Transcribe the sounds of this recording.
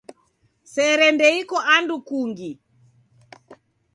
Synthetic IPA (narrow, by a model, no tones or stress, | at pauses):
sɛɾɛndɛikɔʔandukuŋɡi